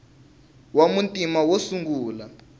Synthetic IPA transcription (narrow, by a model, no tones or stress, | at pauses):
wamuntʼimawosuŋɡuːla